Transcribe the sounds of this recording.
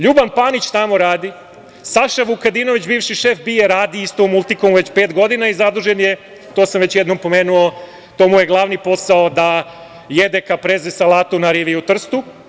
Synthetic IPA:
ʎubanpanit͡ɕt̪amo̞ɾaːd̪i | saʃaʋukad̪inoʋit͡ɕbiːʋʃiʃefbieɾaːd̪iist̪omulˠt̪ikomuʋe̞t͡ɕpeːt̪ɡo̞d̪inaizad̪uʒenje | t̪osamʋe̞t͡ɕjed̪no̞mpo̞meːnuo | t̪omujeɡlˠaːʋnipo̞saod̪a | jed̪ekapɾezesalˠaːt̪omnaɾiʋiut̪r̩st̪u

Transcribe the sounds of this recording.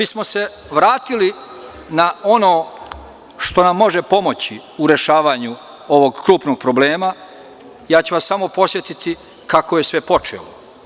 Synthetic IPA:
bismose̞ | ʋɾaːt̪ili | nao̞no̞ː | ʃt̪o̞namːo̞ʒepo̞mo̞t͡ɕi | uɾe̞ʃaːʋaːɲu | o̞ʋo̞ɡkɾuːpno̞ɡ̚pɾobleːma | jaːt͡ɕuʋasːamo̞po̞sʋje̞t̪it̪i | kakoje̞sʋe̞po̞t͡ʃḛlo

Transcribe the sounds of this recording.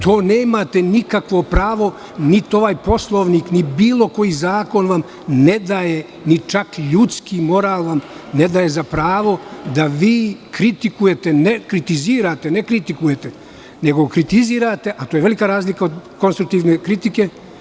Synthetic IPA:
t̪ʰo̞ːneːmat̪e̞nikakʋo̞pɾaːʋo̞ | nit̪o̞ʋaːjpo̞slˠoʋniːknibiːlo̞ko̞jizaːko̞nʋam | ne̞d̪aje | nit͡ʃakʎut̪skimo̞ɾaːlˠʋamned̪aje̞zapɾaːʋo̞d̪aʋiːkɾit̪ikuje̞t̪enekɾit̪iziːɾaːt̪enekɾit̪ikuje̞t̪e | ne̞ɡokɾit̪iziːɾat̪e̞ʔat̪ojeʋelikaɾaːzlikaod̪ko̞nst̪ɾuk̚t̪iːʋnekɾit̪ike̞

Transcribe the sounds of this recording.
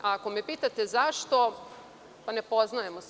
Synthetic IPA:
ako̞mepiːt̪at̪e̞zaʃt̪o̞ | pane̞po̞znaje̞mos

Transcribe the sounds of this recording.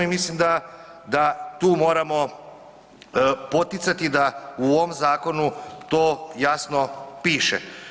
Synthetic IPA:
imislimd̪a | d̪at̪uːmo̞ːɾamo̞ | po̞t̪it̪sat̪id̪auoʋomzaːko̞nut̪oːjasnopiːʃḛ

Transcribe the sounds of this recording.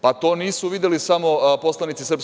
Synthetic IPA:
pat̪o̞ːniːsuʋid̪jelisamo̞po̞slˠanit̪sisr̩ps

